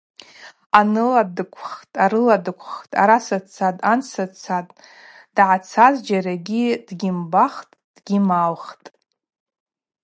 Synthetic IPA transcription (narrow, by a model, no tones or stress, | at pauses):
anɨladɨkʷʰχtʼaɾɨladɨkʷʰχtʼaɾasat͡sʰatʼansat͡sʰatʼ | d̥ʕat͡sʰazd͡ʒaɾaɡʲid̥ɡʲɪmbaχtʼd̥ɡʲimalχtʼ